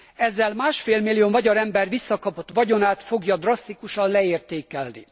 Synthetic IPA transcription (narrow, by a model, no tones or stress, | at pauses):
ɛzːɛlmaːʃfeːlmilːijovɒɟɒɾɛmbɛrʋisːɒkɒpo̞t̪ʋɒɟo̞naːt̪fo̞ɡjɒd̪rɒst̪ikuʃɒnlɛeːrt̪eːkɛlnḭ